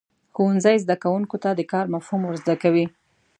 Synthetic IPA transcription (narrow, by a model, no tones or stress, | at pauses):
xowanzəjzd̪akawuŋkot̪ad̪əkɑɾmafhumwəɾzd̪akawi